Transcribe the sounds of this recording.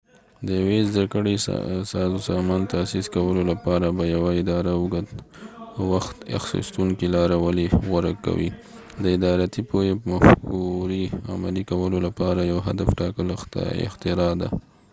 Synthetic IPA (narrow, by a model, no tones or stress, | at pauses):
d̪əjawezd̪akəɽḭsɑzusɑmɑnt̪asiskawəlolapɑɾabajawaɪd̪ɑɾaəɡat̪ | əwaxt̪a̰xsḭst̪uŋkilɑɾawəliɣaɾakːa̰wḭ | d̪əɪd̪ɑɾat̪ipojepəmafkuɾia̰malikawəlolapɑɾajawɦad̪afʈɑkələxt̪a̰ɪ̰xt̪ɪɾɑd̪a̰